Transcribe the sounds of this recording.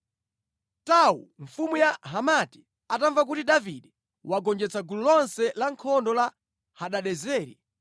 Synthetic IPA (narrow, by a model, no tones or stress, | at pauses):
taṵɱfumujaɦamati̥ | ataɱvak̬utiɗaviɗɛ | waɡɔnd͡ʒɛt͡sʰaɡululɔnsɛlaŋkʰɔndɔla | haɗaɗɛzɛːɾi